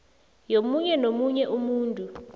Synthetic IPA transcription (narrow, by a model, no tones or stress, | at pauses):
jomuɲɛnomuɲɛʔumuːntʼu